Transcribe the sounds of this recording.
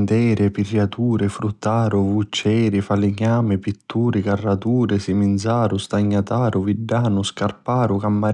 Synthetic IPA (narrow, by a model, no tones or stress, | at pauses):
nt̪ɛːɾɪpirjat̪uːɾɪfɾut̪ːaːɾʊvut͡ʃːɛːɾɪfalɪɲaːmɪpit̪ːuːɾɪkarːat̪uːɾɪsimind̪zaːɾʊst̪aɲːat̪aːɾʊviɖːaːnʊskarpaːɾʊkamːa